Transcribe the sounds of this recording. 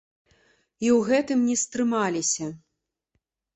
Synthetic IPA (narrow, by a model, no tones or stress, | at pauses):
iwɣɛt̪ɨmnʲɛst̪ɾɨmalʲisʲɐ